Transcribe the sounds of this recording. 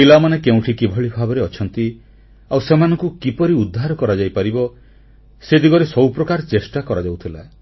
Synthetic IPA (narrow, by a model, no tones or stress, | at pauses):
ilamanekeũʈʰikibʱɔɭibʱabɔɾeɔt͡ʃʰɔnt̪i | awsemanɔŋkukipɔɾiud̪ʱːaɾɔkɔɾad͡ʒajpaɾibɔ | sed̪iɡɔɾesɔwpɾɔkaɾɔt͡ʃesʈakɔɾad͡ʒawt̪ʰila̰